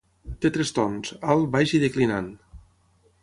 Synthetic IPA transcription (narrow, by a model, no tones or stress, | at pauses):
t̪et̪ɾest̪ɔnzalˠβajʒiðeklinan